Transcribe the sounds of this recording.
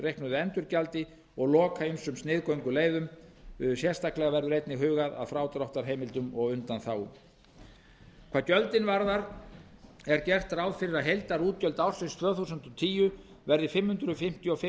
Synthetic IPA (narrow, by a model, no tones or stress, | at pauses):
rejhknʏðʏɛnt̪ʏɾcalt̪ɪ | ɔɣlɔːkʰaʏmsʏmst̪nɪːðkoɥŋkʏleːjðʏmʏðʏ̥sjɛ̥st̪aklɛɣavɛɾðʏɾejt̪nɪɦʏːɣaða̰ðfɾaːwt̪ɾawht̪aɾ̥ɦeːjmɪlt̪ʏmɔɣʏnt̪anθaw | kʰvaːɾcœlt̪ɪnvaɾðaɾ | ɛɾcɛr̥t̪aɾawðfɪɾɪɾaðɦejlt̪aɾuːt̪̚cœlt̪awrsɪst̪ʰvœːθusʏnt̪ɔt̪ʰiːjʏ | vɛɾðɪfɪmhʏnt̪ɾʏfɪm̥t̪jɔfɪ